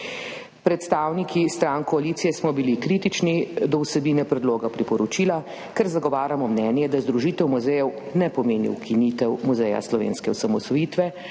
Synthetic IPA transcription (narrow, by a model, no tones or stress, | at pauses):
pɾɛt̪st̪aːwnikist̪ɾaŋkɔaliːt̪sijɛsmɔbilikɾiːt̪it͡ʃnid̪ɔwsɛbinɛpɾɛd̪loːɡapɾipɔɾɔt͡ʃila | kɛɾzaɡɔʋaːɾjamɔmnɛnjɛd̪azd̪ɾuʒiːt̪ɛwmuzɛjɛw | nɛpɔmeːnḭwkʰinit̪ɛwmuzɛja̰slɔʋḛːnskɛɔsamɔsɔjiːt̪ʋɛ